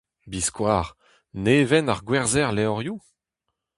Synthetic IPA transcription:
biskwaːʁ | neːvɛnaʁɡwɛʁzɛʁlɛɔʁju

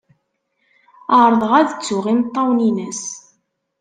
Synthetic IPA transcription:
əɾˤðˤəʁæðət͡sːʊʁint̪ˤːɑwninæs

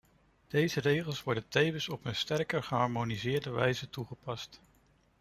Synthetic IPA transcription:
d̥ejzərejχəlˠsʋɔɹdəntejvənsɔpənstɛrkəɹχəɦɑɹmonizɪːɹdəʋɛ̰jzətuχəpɑst

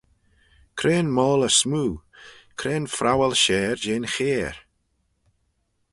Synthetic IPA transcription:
kʰɾeːnmɔːləsmuːkʰɾeːnfɾʔawɛlʃɛːɾd͡ʒeːnxeːɹ

